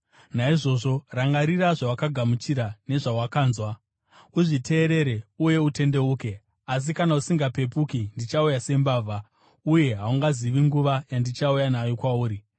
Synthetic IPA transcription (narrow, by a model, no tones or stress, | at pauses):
naiʐo̞ʐo̞raŋɡaɾiraʐawakaɡʱamut͡ʃiɾane̞ʐawakaːnzwa | uʐitʰe̞ːɾe̞ɾeuje̞ute̞nde̞uːke̞ | as̬ikanausiŋɡape̞pukindit͡ʃaujase̞mbaːvʱa | uje̞ɦauŋɡaziʋiŋɡuʋajandit͡ʃaujanajo̞kwauːɾi